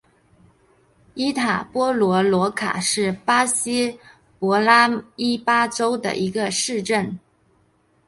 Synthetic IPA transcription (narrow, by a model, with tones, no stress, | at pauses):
i˥t̪ʰa˨˩pwɔ˥lwɔ˧˥lwɔ˧˥kʰa̰˨˩ʂɻ̩˥˩pa˥ɕi˥ | pwɔ˧˥la˥i˥pa˥ʈ͡ʂo˥ʊd̪ə̰˨ʔi˧˥ɡə˧ʂɻ̩˥˧ʈ͡ʂə˥˩n